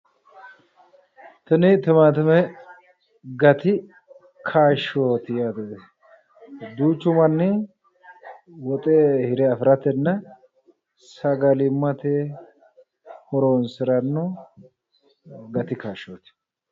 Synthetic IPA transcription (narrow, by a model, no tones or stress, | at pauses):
t̪ɐnɪt̪ʊmaːt̪ʊmɛ | ɡɐt̪ɪ | kʰaːʃoːt̪ɪjaːt̪ɛ | d̪uːt͡ʃːʊmɐnːɪ | wɔt̪ʼehɪɾɛɐfɪɾɐt̪ːɛnːɐ | sɐɡɐlɪmːɐt̪e | hɔɾoːnsɪɾɐnːɔ | ɡɐt̪ɪkaːʃːoːt̪ɪ̥